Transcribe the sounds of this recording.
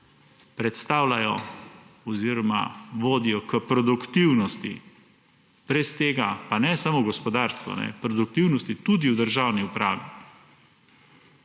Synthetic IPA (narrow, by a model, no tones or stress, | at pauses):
pɾɛt̪st̪aːwlajɔ | ɔziɾɔma̰ʋoːd̪ijɔkəpɾɔd̪ukt̪iwnɔst̪ḭ | b̥ɾɛst̪eːɡapanɛsamoɡɔspɔd̪aːɾst̪ʋɔ̰nɛ̰pɾɔd̪uk̚t̪iwnɔst̪it̪ud̪iud̪əɾʒawniupɾaːʋi